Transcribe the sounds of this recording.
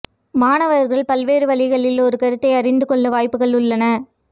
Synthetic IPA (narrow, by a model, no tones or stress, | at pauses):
maːnɐʋɐɾɣɐɭpɐlʋeːɾɯʋɐɭɪɣɐɭɪlɔɾɯkɐɾɯt̪ːɐɪɐɾɪnd̪ɯkɔɭːɐʋaːjpːɯɣɐɭʊɭːɐnɐ